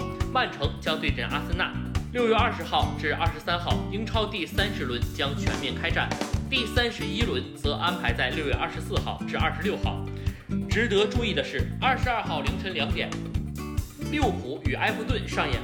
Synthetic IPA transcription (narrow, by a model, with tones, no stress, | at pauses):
ma˥˩nʈ͡ʂʰɤ˧˥ŋt͡ɕjɑ˥ŋt̪we˥˧ɪʈ͡ʂə̰˥˩nʔa˥s̩˥na̰˥˩ljo˥˧ʊɥɛ˥˧ɐ˞˥˩ʂɻ̩˧˥xɑ˥˧ʊʈ͡ʂɻ̩˥˧ɐ̰˥˩ʂɻ̩˧˥sa˥nxɑ˥˩ʊi˥ŋʈ͡ʂʰɑ˥ʊt̪i˥˩sa˥nʂɻ̩˧˥lwə˧˥nt͡ɕjɑ˥ŋt͡ɕʰɥɛ̰˧˥nmjɛ˥˩nkʰa˥ɪʈ͡ʂa̰˥˩nt̪i˥˩sa˥nʂɻ̩˧˥i˥lwə˧˥nt͡sɤ˧˥ʔa˥npʰa˧˥ɪt͡sa˥˧ɪljo˥˧ʊɥɛ˥˧ʔɐ̰˥˩ʂɻsɹ̩˥˧xɑ˥˩ʊʈ͡ʂɻ̩˥˧ɐ̰˥˩ʂɻ̩˧˥ljo˥˧ʊxɑ̰˥˩ʊ | ʈ͡ʂɻ̩˧˥t̪ɤ˧˥ʈ͡ʂu˥˧i˥˩d̪ə˩ʂɻ̩˥˩ɐ˥˩ʂɻ̩˧˥ɐ˞˥˧xɑ˥˩ʊli˧˥ŋʈ͡ʂʰə˧˥nljɑ˧˥ŋt̪jɛ̰˨˩˦n | ljo˥˩ʊpʰu˧˥y˨˩ʔa̰˥ɪfu˥˧t̪wə˥˩nʂɑ˥˧ŋjɛ̰˥˩˦n